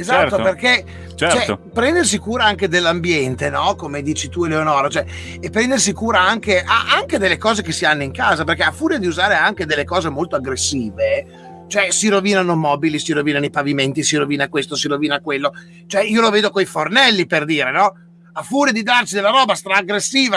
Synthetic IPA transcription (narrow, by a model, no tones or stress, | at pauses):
ezatt̪ːoperke | t͡ʃɛt͡ʃoɛopɾɛnd̪ers̬ikuːɾaaŋk̟ed̪elːambjɛnt̪enɔkomed̪iːt͡ʃit̪ueleonɔːɾat͡ʃoɛ | epːɾɛnd̪ersikuːɾaaŋkeʔa̰ʔaŋked̪elːekɔːzekesianːoiŋkaːzaperkeafːuːɾed̪iuzaːɾeaŋked̪elːekɔːzemolt̪oaɡɾesːiːve | t͡ʃoɛsiɾoviːnanomɔːbilisiɾoviːnanoipaviment̪isiɾoviːnakwest̪osiɾoviːnakwelːo | t͡ʃoɛiːoloveːd̪okojfornɛlːiperd̪iːɾenɔ | afuːɾed̪id̪arsid̪elːaɾɔːbast̪ɾaːɡɾesːiːva